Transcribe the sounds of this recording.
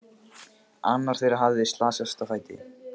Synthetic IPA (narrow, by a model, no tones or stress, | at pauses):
anːaɾ̥θejɾaɦavðɪst̪laːsast̪afaːjt̪ɪ̰